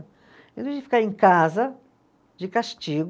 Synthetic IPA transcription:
ẽnvẽd͡ʒɪfi̥kaɾẽŋkazɐ | d͡ʒɪkaʃt͡ʃiɡ

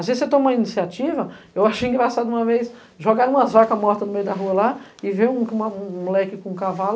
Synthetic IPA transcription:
azezɪset̪õmũɐinisiat͡ʃivɐ | ewaʃejĩŋɡɾasad̪ʊũɐvejs | ʒoɡaɾ̃ũmɐzvakɐmɔɾt̪ɐnʊmejʊd̪ɐɦuɐla | ɪvẽũũɐũmulɛkɪkõũkaval

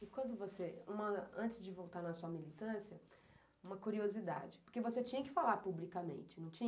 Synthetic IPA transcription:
ɪkwɐ̃nd̪ʊvoseũmɐɐ̰̃nt͡ʃɪzd͡ʒɪvowt̪aɾnɐsuɐmilit̪ɐ̃siɐ | ũmɐkuɾiozid̪a̰d͡ʒɪpoɾkevoset͡ʃĩɲɐkɪ̥falaɾpublikɐmḛ̃nt͡ʃɪnɐ̃w̃t͡ʃĩ

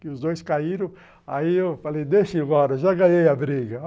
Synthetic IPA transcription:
kɪʊzd̪ojskaiɾɐ̃w̃ | a̰iewfalejd̪eʃɪ̃bɔɾɐʒaɡɐ̃ɲejɐbɾiɡɐ

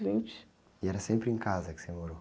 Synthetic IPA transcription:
vĩnt͡ʃɪ̥ʃ | iɛɾɐsẽmpɾẽkazɐkɪ̥semoɾo

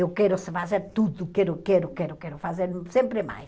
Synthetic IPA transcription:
ewkɛɾʊsɪfazeɾt̪uðʊkɛɾʊkɛɾʊkɛɾʊkɛɾʊfazeɾsẽmpɾɪma̰j

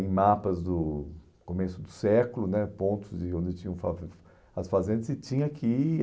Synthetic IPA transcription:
ẽj̃mapɐzd̪ʊ | komesʊd̪ʊsɛkʊlʊnɛpõnt̪ʊzd͡ʒɪõd͡ʒɪt͡ʃĩɲɐ̃fa | ɐsfazẽnd̪ɐsɪt͡ʃĩɲɐkʰɪ

